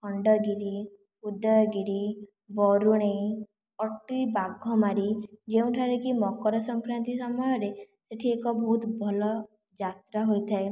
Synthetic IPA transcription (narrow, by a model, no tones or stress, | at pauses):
kʰɔɳɖɔɡiɾi | ud̪ɔjɔɡiɾi | bɔɾuɽ̃ẽ | ɔʈɾibaɡʱɔmaɾid͡ʒeũʈʰaɾekimɔkɔɾɔsɔŋkɾant̪isɔmɔjɔɾe | seʈʰiekɔbʱɔɦut̪bʱɔlɔ | d͡ʒat̪ɾaɦojt̪ʰae